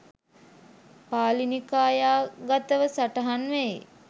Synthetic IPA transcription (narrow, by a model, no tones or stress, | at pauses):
paːlinikaːjaːɡat̪əʋəsaʈəɦanʋe